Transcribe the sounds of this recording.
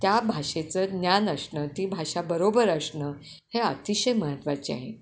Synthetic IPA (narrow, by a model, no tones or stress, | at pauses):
t̪jabʱaʂet͡səːnjanəsɳət̪iːbʱaʂabəɾobəɾəsɳəː | heət̪iɕəjməɦət̪ʋat͡ɕia̰ɦḛ